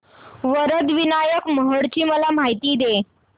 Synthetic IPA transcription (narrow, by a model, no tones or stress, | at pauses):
ʋəɾəd̪ʋinajəkməɦəɽt͡ɕiːməlam̤aɦjt̪iːd̪e